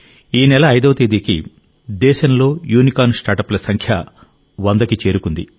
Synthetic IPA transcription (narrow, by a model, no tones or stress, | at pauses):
iːnɛlɐːjd̪ɐʋɐt̪eːd̪iːkḭ | d̪ɛːʃɐnlo̞ːjuːnikaːnsʈaːʈɐplɐsɐŋkʰjɐ | ʋɐnd̪ɐkit͡ʃe̞ːɾukund̪ḭ